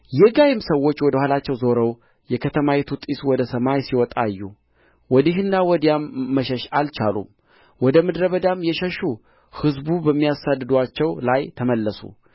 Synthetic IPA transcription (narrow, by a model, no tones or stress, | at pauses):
jɛɡajɪmsəwːo̞t͡ʃːwɔd̪əhʷalat͡ʃːɛwzo̞ɾəw | jɛkʰət̪ʰəmajɛt̪ʰut̪ʼiswɔd̪əsəmajsiwɔt̪ʼa̰jːu | wɔd̪iɦɨnːawɔd̪ijamːəʃəʃalt͡ʃa̰lṵm | wɔd̪əmɨd̪ɾəβəd̪amjɛʃəʃu | hɨzbubəmːijasad̪ːɨd̪at͡ʃːɛwlajt̪ʰəməlːəsṵ